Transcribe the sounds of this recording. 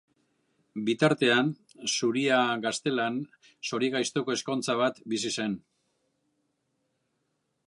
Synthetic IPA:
bit̪aɾt̪e̞an | suɾiaɡast̪e̞lan | so̞ɾiɣajst̪o̞ko̞e̞sko̞nt͡saβat̪bisise̞n

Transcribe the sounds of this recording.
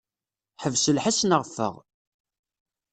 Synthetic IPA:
ħəvsəlħasnəʁfːə̰ʁ

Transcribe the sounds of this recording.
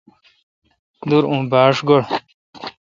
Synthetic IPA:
d̪uɾũːbaːʂɡoɽ

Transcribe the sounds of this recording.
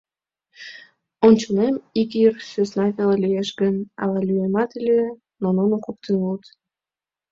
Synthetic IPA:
onʲt͡ɕunemikjirsøsnɑvʲelelʲijeʃɡənɑ̰lɑlʲyemɑt̪ilʲe | nononokok̚t̪enult̪

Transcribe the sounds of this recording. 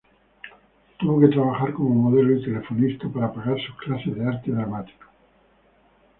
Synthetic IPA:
t̪uβo̞ke̞t̪ɾaβaxaɾko̞momoð̞e̞loit̪e̞le̞fo̞nist̪apaɾapaɣaɾsuklase̞zðeaɾt̪eðɾamat̪i̥ko̥

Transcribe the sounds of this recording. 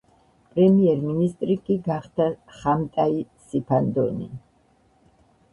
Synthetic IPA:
pʼɾɛmiɛɾminist̪ʼɾikʼiɡaχd̪̥aχamt̪ʼaisipʰand̪ɔnḭ

